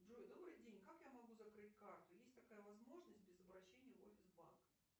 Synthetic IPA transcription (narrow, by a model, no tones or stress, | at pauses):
ʐujd̪o̞bɾɨjdʲenʲkakjamɐɡuzɐkɾɨtʲkart̪ʊjesʲtʲt̪ɐkajəvɐzmo̞ʐnəsʲtʲbʲɪzəbɾɐɕːenʲɪjəofʲɪzba̰nkə̥